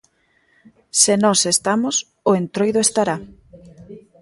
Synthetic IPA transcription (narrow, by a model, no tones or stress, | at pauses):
senɔsest̪amos | ʊent̪ɾojðʊest̪aɾa